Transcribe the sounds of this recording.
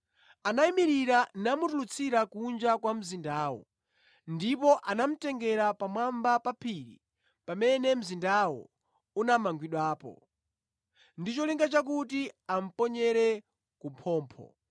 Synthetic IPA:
anaimiɾiɾanamutulut͡sʰiɾakund͡ʒakwam̩zindaːwɔ̰ | ndipɔʔanam̩tɛŋɡɛɾapamwambapapʰiɾḭ | pamɛnɛm̩zindawɔ̰ | unamaŋɡwiɗwaːpɔ̰ | ndit͡ʃɔliŋɡat͡ʃak̬utiam̩pɔɲɛɾɛ | kumpʰɔːmpʰɔ̰

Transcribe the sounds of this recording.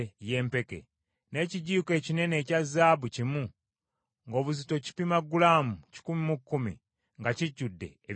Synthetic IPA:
jeːmpe̞ke̞̰ | ne̞ciɟiːke̞ːcine̞ne̞ːcazːaːβucimu | ŋɡo̞ːβuzito̞ci̥pimaɡulaːmuci̥kumimukːumḭ | ŋɡaciɟːudːe̞̰ː

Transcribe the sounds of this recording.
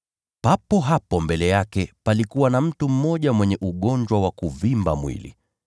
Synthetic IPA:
papɔɦapɔmbɛlɛjakɛpalikuwanam̩tum̩mɔʄamwɛɲɛʔuɠɔɲd͡ʒwawakuvimba̰mwḭlḭ

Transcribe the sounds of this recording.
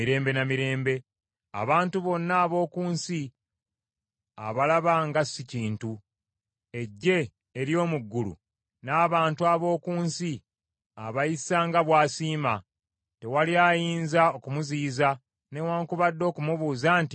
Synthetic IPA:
iɾe̞ːmbe̞namiɾe̞ːmbe̞ | a̰βaːntuβo̞nːaːβo̞ːkuːnsi | a̰βalaβaŋɡasiciːntu | e̞ɟːe̞ː | ɾjo̞ːmuɡːulṵ | naːβaːntuaβo̞ːkuːnsi | aβajisaːŋɡaβwaːsiːma | te̞waliaːjiːnzao̞kumuziːza | ne̞waːŋkuβadːo̞ːkumuβuːzaːnti

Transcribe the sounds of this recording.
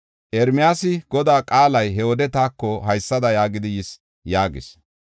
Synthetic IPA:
ʔɛɾmɪjaːsɪɡ̥ɔd̪aːkʼaːlɐjɦɛod̪ɛt̪aːkːɔɦɐjsːɐd̪ɐjaːɡɪd̪ɪjɪs | jaːɡɪ̰s

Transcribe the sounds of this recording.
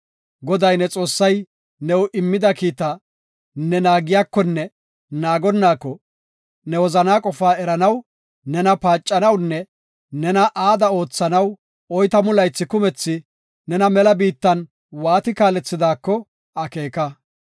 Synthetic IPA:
ɡɔd̪ɐjnɛt͡sʼo̞ːsːɐj | nɛwʔɪmːɪd̪ɐkiːt̪ɐ | nɛnaːɡɪjaːkːɔnːɛ | naːɡɔnːaːkːɔ | nɛwɔzɐnaːkʼɔfaːɛɾɐnɐw | nɛnɐpaːt͡ʃʼːɐnɐwnːɛ | nɛnɐʔaːd̪ɐo̞ːt͡sːɐnɐw | ɔjt̪ɐmʊlɐjt͡sːɪkʊmɛt͡sːɪ | nɛnɐmɛlɐbiːt̪ːɐn | waːt̪ɪkaːlɛt͡sːɪd̪aːkːɔ | ɐke̞ːkɐ

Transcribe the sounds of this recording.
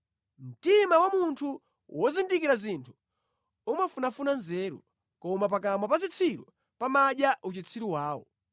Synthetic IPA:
m̩timawamuntʰu | wɔzindikiɾazintʰu̥ | umafunafunanzɛːɾṵ | kɔmap̬akamapazit͡sʰiɾɔ | pamaɗjaʔut͡ʃit͡sʰiɾiwaːwɔ̰

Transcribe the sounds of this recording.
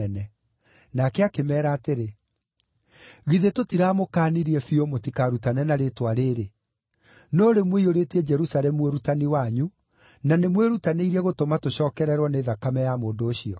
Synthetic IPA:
ɛnɛ | nakɛakemɛːɾaːteɾe | ɣiðetotiɾaːmokaːniɾiɛfiomotikaɾutanɛnaɾetwaɾeːɾe | nɔɾemweioɾetiɛd͡ʒɛɾusaɾɛmueɾutaniwaɲu | nanemweɾutaneiɾɛɣotomatoɕɔːkɛɾɛɾwɔneðakamɛjamoːndoːɕiɔ

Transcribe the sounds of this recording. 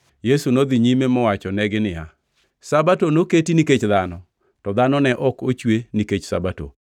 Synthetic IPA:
jesunod̪iɲimemɔwat͡ʃɔnɛɡɪnɪja | sabatonoketiniket͡ʃðanɔ | tɔd̪anɔnɛʔɔkot͡ʃweniket͡ʃsa̰bato̰

